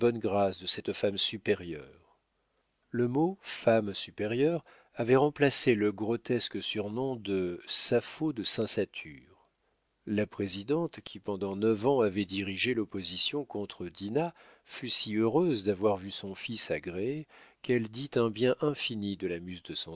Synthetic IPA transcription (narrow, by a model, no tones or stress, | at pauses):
bɔnɡʁasd̪əsɛt̪famsypeʁjœ̰ːʁ | ləmofamsypeʁjœʁ | avɛʁɑ̃plaseləɡʁɔt̪ɛskəsyʁnɔ̃d̪əsafod̪əsɛ̃sat̪ʰy̰ːʁ | lapχezid̪ɑ̃t̪kʲʰipɑ̃d̪ɑ̃nœvɑ̃avɛd̪iʁiʒelɔpozisjɔ̃kɔ̃t̪χəd̪ina | fysiøʁøzd̪avwaʁvysɔ̃fisaɡʁeekɛld̪it̪ɛ̃bjɛ̃ʔɛ̃finid̪əlamyzd̪əsɑ̃